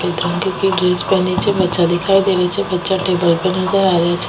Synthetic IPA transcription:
pet̪ɾõkõːkiɡɾeːspɛːnet͡ʃʰebətːʃad̪ɪkʰaːid̪eːɾet͡ʃʰebətːʃaʈeːbəlpɛnəzəɾaːɾɪjat͡ʃʰ

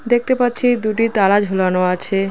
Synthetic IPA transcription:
d̪ek̚t̪epatːɕʰid̪uʈit̪alad͡ʑɦulanoat͡ɕʰe

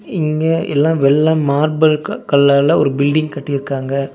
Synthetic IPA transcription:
ɪŋɡɐʔɛ̰lːãːʋɛlːãːmaːɾbɐlkɐɭːalɐɔ̰ɾɯbɪlɖɪŋɡkɐʈːiɪɾɯkːaːŋɡɐ

